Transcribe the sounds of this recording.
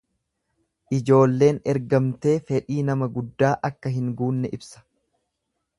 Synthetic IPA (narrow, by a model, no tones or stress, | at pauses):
ʔɪd͡ʒo̞ːlːe̞ːnɛɾɡɐmt̪e̞ːfɛᶑiːnɐmɐɡʊd̪ːaːʔɐkːɐɦɪŋɡuːnːɛʔɪbsɐ̥